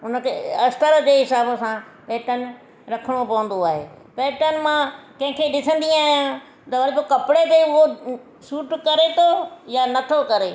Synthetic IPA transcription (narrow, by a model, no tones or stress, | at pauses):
ʊnə̆kʰeɐst̪əɾəd͡ʑeːɦɪsaːbəsãpɛːʈənɪ̆ | ɾɐkʰəɽ̃opɐʋə̃n̆d̪oaːɦḛː | pɛːʈənɪ̆mãkɐ̃ɦɪ̃kʰeɗɪsə̃nd̪ĩaːɦjã | t̪ɐʋɐɾibokɐpɽet̪eiʊɦo | suːʈkɐɾet̪ʰojanɐt̪ʰokɐɾeː